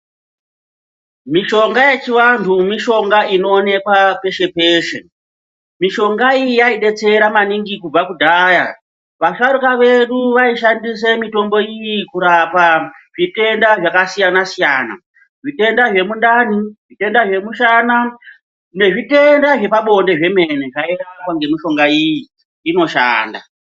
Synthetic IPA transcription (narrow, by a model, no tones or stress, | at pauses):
miʃo̞ŋɡaje̞t͡ʃiwantʰumiʃo̞ŋɡaino̞ːne̞kwape̞ʃe̞pe̞ːʃḛ | miʃo̞ŋɡaiijaiɗe̞t͡se̞ɾamaniŋɡikub͡vakudʱaːja̰ | ʋaʂaɾukaʋe̞ɗuʋaiʃandis̬emito̞mbo̞ijikuɾapa | ʐ̥ite̞ndaʐakasijanasijaːna̰ | ʐite̞ndaʐe̞mundaniʐite̞ndaʐe̞muʃana | ne̞ʐite̞ndaʐe̞paɓo̞nde̞ʐe̞me̞neʐaeɾakaŋɡe̞miʃo̞ŋɡaiji | ino̞ʃa̰ːnda̰